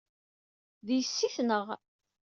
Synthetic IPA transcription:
ðjəsːiθnəʁ

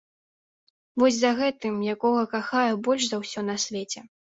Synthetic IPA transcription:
vɔsʲzɐɣɛt̪ɨmjakɔɣɐkaxajɛbɔlʲʂzɐwsʲɔnɐsʲvʲɛt͡sʲɛ

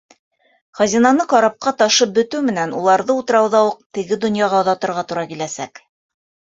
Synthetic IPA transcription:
χæzinɑnɤqɑɾɑp̚qɑt̪ɑʃɤp̚bɵ̆t̪ʉwmɘ̆nænulˠɑɾðɤut̪ɤ̆ɾɑwðɑuq̚t̪ɘ̆ɡɘd̪ŏnjɑʁɑŏðɑt̪ɤ̆ɾʁɑt̪uɾɑkilæsæk

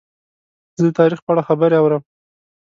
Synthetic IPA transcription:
zəd̪ət̪ʰɑɾixpəaɽaxabəɾeawɾəm

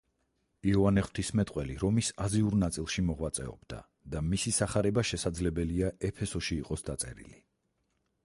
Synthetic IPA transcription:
iɔanɛχw̥t̪ʰismɛt̪ʼqʼwɛliɾɔmisaziuɾnat̪sʼilˠʃimɔʁwat̪sʼɛ̰ɔ̰bd̪a̰ | d̪amisisaχaɾɛbaʃɛsad̪zlɛbɛliaɛpʰɛsɔʃiːqʼɔsd̪at̪sʼɛ̰ɾḭli

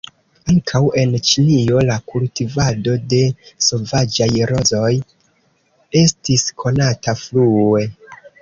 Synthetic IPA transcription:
aŋkʰawe̞nt͡ʃinio̞lakultivado̞de̞so̞vad͡ʒajɾo̞zo̞j | e̞stiskʰo̞nataflue̞

